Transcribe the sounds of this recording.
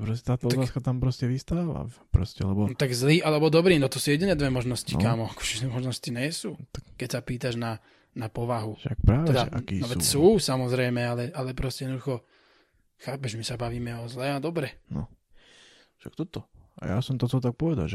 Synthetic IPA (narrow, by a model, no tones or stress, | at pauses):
pɾɔscɛ̥t̪aːt̪ɔɔat̪aːskat̪ampɾɔscɛʋist̪aːʋa̰pɾɔscɛ̰lɛbɔnɔt̪aɡzliːʔalɛbɔd̪ɔbɾiːnɔt̪ɔsujɛɟinɛːd̪ʋɛmɔʒnɔscḭkaːmɔakɔ̥ʃɛɛmɔʒnɔsciɲɛsuːt̪akkɛcsapiːt̪aʒna | napɔʋaɦuʃakpɾaːʋ̪ɛd̪a̰ʔa̰kinɔʋɛsuːsamɔzɾɛjmɛalɛalɛpɾɔscɛjɛd̪nd̪uxɔ | xaːpɛʒmisabaʋiːmɛɦɔzlɛːad̪ɔbɾɛnɔ̰ | ʃak̚t̪ɔt̪ɔa̰ja̰usɔmt̪ɔt̪ɔt̪ak̚pɔʋɛd̪a̰lʒ